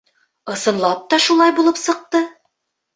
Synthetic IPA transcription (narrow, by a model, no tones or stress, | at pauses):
ɤ̆sɤ̆nlˠɑp̚t̪ɒʃulˠɑjbulˠɤpsɤ̆q̚t̪ɤ